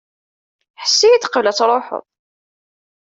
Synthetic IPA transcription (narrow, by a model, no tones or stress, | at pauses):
ħə̥sːijit̪qəvlæt͡sːɾˤoħə̰ðˤ